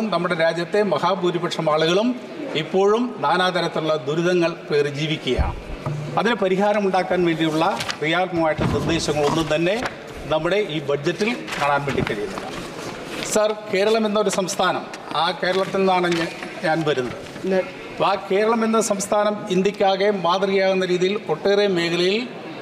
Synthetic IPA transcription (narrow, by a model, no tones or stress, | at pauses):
umnɐmːuɽe̞ɾaːd͡ʑjɐt̪ːe̞mɐhaːpuːɾibɐʈʂɐmaːɭuɣɐɭum | ipːo̞ːɻumnaːnaːd̪ɐɾɐt̪ːinuɭːɐd̪uɾuðɐŋːɐɭpe̞ːrid͡ʑiːʋikʲːuɣja̰ɐðinɨpɐɾiɦaːɾɐmuɳɖaːkːaːnʋe̞ːɳɖijuɭːɐkrijaːlmɐmaːjiʈːɨnird̪e̞ːɕɐŋːɐɭo̞nːumt̪ɐnːe̞ | nɐmːuɽe̞ʔiːbɐd͡ʑɐtːilkaːɳaːnʋeːɳɖikːɐɻijunːɐ̰lːɐ̰ | sɐrke̞ːɾɐɭɐmenːɐoɾusɐmst̪ʰaːnɐm | aːke̞ːɾɐɭɐt̪ːinːaːɳɨɲɲaːnʋɐɾunːɐð | aːke̞ːɾɐɭɐmenːɐsɐmst̪ʰaːnɐmind̪ikʲːaːɣemaːt̪riɣjaːɣunːɐɾiːðijilko̞ʈːeːremeːkʰɐlɐjil